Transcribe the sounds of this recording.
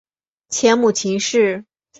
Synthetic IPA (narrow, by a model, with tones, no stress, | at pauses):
t͡ɕʰjɛ˧˥nmu˨˩t͡ɕʰi˧˥ŋʂɻ̩˥˩